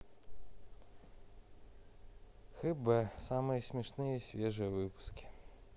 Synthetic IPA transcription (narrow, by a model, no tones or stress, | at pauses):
xɨbɛsamɨjəsʲmʲɪʂnɨjəisʲvʲeʐɨjəvɨpʊ̥skʲi̥